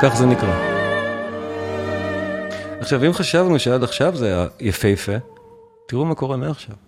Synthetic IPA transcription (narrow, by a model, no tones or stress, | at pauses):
kaχzenikʁa | aχʃavimχaʃavnuʃeadaχʃavzeaja̰jafejefe | tiʁumako̞ʁeneaχʃav